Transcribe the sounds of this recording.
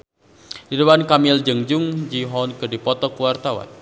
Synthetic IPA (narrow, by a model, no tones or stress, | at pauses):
didəwankamɪld͡ʒəŋd͡ʒʊŋd͡ʒiɦɔnkədipɔt̪ɔkuwart̪awa̰n